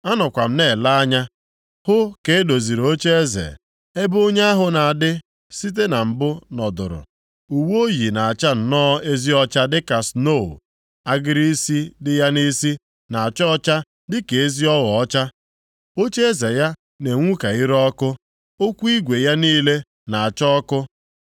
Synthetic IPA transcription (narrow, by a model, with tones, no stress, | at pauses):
a˦nʊ˨kʷa˨m̩˦ne˦˨la˦a˦ɲa˦ | hʊ˦ke˨e˦do˨zi˨ɾo˦t͡ʃe˦e˦zḛ˨ | e˦bo˦ɲe˦a˦ɦʊ˨na˨a˨dɪ˦ | si˦t̬e˦na˨m̩˨bʊ˦nɔ˨dʊ̰˨ɾʊ̰˨ | u˨wo˦ji˨na˨a˨t͡ʃa˦n̩˨nɔː˦e˦zi˦ɔ˦t͡ʃa˦dɪ˦ka˨sno˦˨ | a˦ɡɪ˦ɾi˦si˦dɪ˦ja˦ni˦si˦ | na˨a˨t͡ʃɔ˦ɔ˦t͡ʃa˦ | dɪ˦ke˨e˦zi˦ɔ˦lɔ˨ɔ˦t͡ʃa˦ | o˦t͡ʃe˦e˦ze˨ja˦ | ne˨ŋʷu˦ka˨i˦ɾɔ˦kʊ˦ | o˦kʷu˦i˦ɡʷe˨ja˦niː˦le˦ | na˨a˨t͡ʃɔ˦ɔ˦kʊ˦